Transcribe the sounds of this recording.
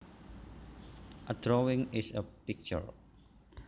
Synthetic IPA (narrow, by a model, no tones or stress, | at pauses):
ʔədɾowiŋisəpik̚t͡ʃə̰ɹ